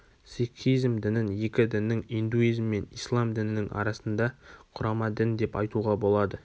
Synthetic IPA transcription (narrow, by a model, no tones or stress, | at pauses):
siχijzmd̪ɪnɪnje̞kʲɪd̪ɪnːɪŋind̪uijzmːe̞nijslˠɑmd̪ɪnɪnɪŋʔɑ̰ɾɑsənd̪ɑqʰʊɾɑmɑd̪ɪnd̪e̞pɑjt̪uʁɑbo̞lˠɑd̪ə